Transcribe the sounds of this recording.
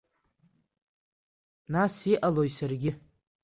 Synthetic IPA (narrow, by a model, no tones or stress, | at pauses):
nasiʔalojsarɡʲɪ